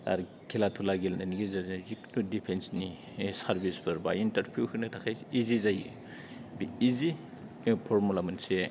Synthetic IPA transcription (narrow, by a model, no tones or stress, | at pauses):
a̰ɾ | kʰilat̪ʰulaɡelnaniɡezazziknudipʰensni | saɾbispʰɯɾba̰intɐɾpʰukʰɯnɯtʰakʰajsizizaj | biːzi | pʰoɾmulamɯnse